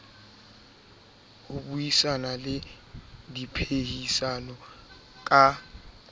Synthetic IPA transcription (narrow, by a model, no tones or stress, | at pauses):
huɓujisanalɪ | dipʰehisanɔ | kʼa